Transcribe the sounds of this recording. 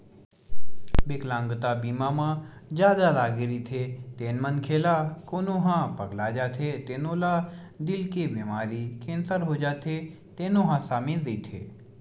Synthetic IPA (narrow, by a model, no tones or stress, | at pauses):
bɪklãːŋɡt̪abiːmãːmãːd͡ʒjaːd̪alaːɡɪɾit̪ʰeːt̪eːnmənkʰeːlakoːnõɦãːpəɡlaːd͡ʒaːt̪ʰet̪eːnõːlaː | d̪ɪlkebeːmaːɾiːkẽːnsəɾɦod͡ʒaːt̪ʰe | t̪eːnõːɦãːsaːmẽziːt̪ʰḛː